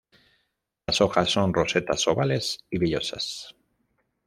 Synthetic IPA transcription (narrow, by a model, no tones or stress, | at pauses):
lasoxasːo̞nrose̞t̪a̰soβale̞siβiʎo̞sa̰s